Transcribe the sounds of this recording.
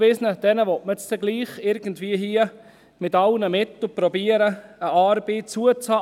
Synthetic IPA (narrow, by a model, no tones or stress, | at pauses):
vɪsnəd̥ɛnəʋɔtmət͡stɛɡliːχɪɾɡ̥əntviəɦiːə | mɪtɑlnəmɪt̪l̩pɾɔbiəɾəəʔɑːɾbeːt͡suət͡shɑː